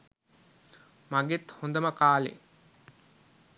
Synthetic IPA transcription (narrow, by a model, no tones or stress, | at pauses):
maŋɡet̪hond̪əməkaːlḛ